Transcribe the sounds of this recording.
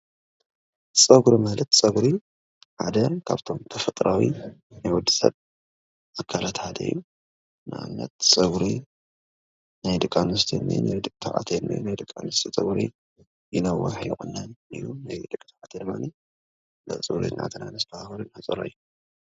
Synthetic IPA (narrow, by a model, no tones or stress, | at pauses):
t͡sʼɐɡuɾimalɐt̪sʼɐɡɾi | ħa̰d̪ɐkʰa̰βt̪ʰo̞mt̪ʰɐfɐt̪ʼɾawḭ | najwɔd̪i̥sɐ̰β | ʔakʰalat̪ħad̪ɐ̰ḭjːu | nɨ̰a̰mnɐ̰t̪sʼɐɡɾi | najd̪ɨkʼːanust̪ʰinːḭnajd̪ɨkʼt̪ʰaʕa̰t̪ʰena̰jnajd̪ɨkʼːanust̪ʰit͡sʼɐɡɾḭ | jɪnɐwɐ̰ħj̰xʼɨnːanɨ̰jːunajd̪ɨkʼt̪aʕat̪ʰed̪ɨmːa̰ni | lɐ̰t͡sʼɨɡɾḭnʔa̰t̪ʰɨnanɐst̪ʰahakɐɾunat͡sʼɨɾa̰jːu